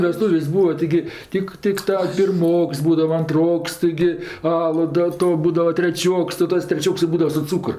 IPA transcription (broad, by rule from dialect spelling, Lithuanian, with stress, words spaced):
ʋʲɛˈstuːʋʲeːsʲ ˈbuːʋɐ tʲɪˈɡʲɪ ˈtʲɪk ˈtʲɪk tɐ pʲɪrˈmoːks ˈbuːdɐʋɐ ɐnˈtroːks tʲɪˈɡʲɪ ˈɑːlˠʊ dɐ ˈtoː ˈbuːdɐʋɐ tʲrʲɛˈt͡ʃʲoːks tɐɪ ˈtɐs tʲrʲɛˈt͡ʃʲoːks ɪ ˈbuːdɐʋɐ sʊ ˈt͡suːkr